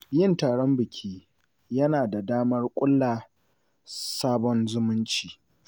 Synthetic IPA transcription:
jɪ˦˨ntaː˨ɽɔ˦mbɪ˨kʲʰiː˦ | jɐ˦naː˨da˨daː˦mɐ˦rkʷʼʊ˦lːaː˨ | saː˦bɔ˦nzʊ˦mʊ˦nt͡ʃiː˨

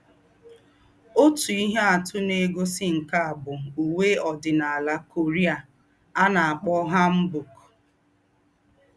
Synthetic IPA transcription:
o˦tu˨i˦ɦe˦a˨tʊ˦ne˨ɡo˦sɪ˦ŋ̩˨ka˦a˨bʊ˨u˨we˦ɔ˨dɪ˨na˨a˨la˦ko˨ɾi˦a˨ | a˦na˨a˨k͡pɔ˦ɦa˦m̩˦bu˨k

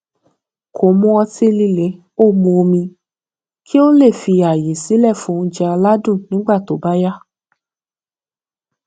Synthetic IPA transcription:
kʰo˨˦mũ˦ɔ˧ti˦li˧le˨˦ | o˦˨mũ˧o˧mĩ˧ | kʰi˦o˦le˦˨fi˧a˨je˨si˨˦lɛ˦˨fũ˧d͡ʒɛ˧a˧la˦dũ˦˨nĩ˨˦ɡ͡ba˦˨to˨ba˦ja˦

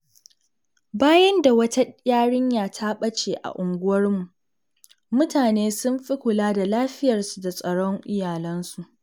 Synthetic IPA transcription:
baː˦jɐ˦nda˨wɐ˦ta˦jʲaː˦ɽɪ˦ɲjaː˨tʰa˦ɓɐ˦t͡ʃeː˨ʔa̰˨ʔʊ˨ŋɡʷʊ˦wɐ˦rmu˨ | mʊ˦taː˨neː˦sʊ˦mɸi˦kʷʊ˨laː˦da˨laː˦ɸɪ˦jɐ˨rsu˨da˨sʼɐ˨ɽɔ˦ŋʔɪ˦jaː˨lɐ˦nsu˨ʔ

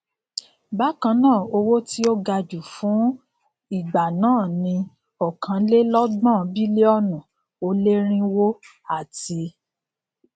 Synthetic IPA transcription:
ba˦kã˧nãː˦˨o˧wo˦ti˦o˦ɡa˧d͡ʒu˨fũ˨˦ | i˦˨ɡ͡ba˨nãː˦˨nĩ˧ | ɔ˨kʰã˨˧˦le˦lɔ˦ɡ͡bã˦˨bi˦le˦ɔ˦nũ˨ | o˧le˦ɾ̃ĩ˦wo˦ | a˦˨ti˧

